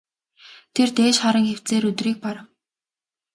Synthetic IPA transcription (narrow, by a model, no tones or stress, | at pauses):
t̪ʰert̪eːʃχaɾə̆ŋxew̥tt͡seːɾɵt̪riːk̚pɔɾə̆w